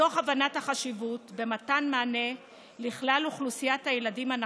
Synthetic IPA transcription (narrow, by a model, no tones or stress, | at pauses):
o̞χavanathaχaʃivutbe̞matanmaːne̞ | liχlaluχlusijathajeladiman